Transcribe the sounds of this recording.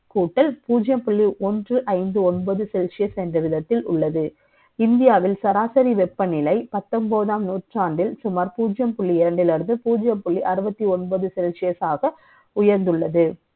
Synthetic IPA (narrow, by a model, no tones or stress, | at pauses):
kuːʈːɐlpuːd͡ʒjɐmpʊɭːiʔɔndrɯʔɐɪnd̪ɯɔnbɐðɯsɛlt͡ʃɪjɐsɛndrɐʋɪðɐt̪ːɪlʊ̰ɭːɐðɯ | ɪnd̪ɪjaːʋɪlsɐɾaːsɐɾiʋɛpːɐnɪlɐɪpɐt̪ːɔmboːðaːmnuːʈraːɳɖɪlsʊmaːɾpuːd͡ʒɪjɐmpʊɭːiɪɾɐɳɖɪlɐɾɯnd̪ɯpuːd͡ʒɪjɐmpʊɭːiʔɐɾɯbɐt̪ːiɔɳbɐðɯsɛlt͡ʃɪjɐsaːɣɐ | ʊjɐɾnd̪ɯɭːɐðɯ